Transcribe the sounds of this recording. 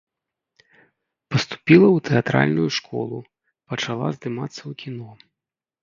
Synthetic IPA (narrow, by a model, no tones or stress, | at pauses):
pɐst̪u̥pʲilˠɐwt̪ɛat̪ɾa̰lʲnujuʂkɔ̰lˠu | pɐt͡ʂalˠa̰zd̪ɨmat̪sːɐwkʲinɔ